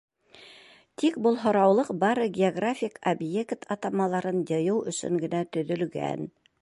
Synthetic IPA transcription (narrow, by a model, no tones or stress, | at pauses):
t̪ik̚bɤlˠɦŏɾɑwlˠɤqbɑɾɤɡʲɪoɡrafʲikobjekt̪ʰɑt̪ɑmɑlˠɑɾɤnjɤ̆jɤwɵ̆sɵ̰ŋɡɘ̆næt̪ɵ̆ðɵ̆lɡæ̰n